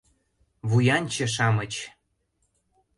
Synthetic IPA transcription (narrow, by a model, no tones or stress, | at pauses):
βujɑnʲt͡ɕə̆ʃ̬ɑmət͡ɕ